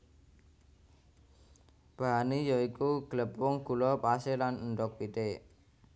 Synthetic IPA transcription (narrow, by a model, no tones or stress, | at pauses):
b̥a̤ɦanejɔikuɡ̥ləpʊŋɡ̥ulɔpaselanənɖɔk̚pit̪e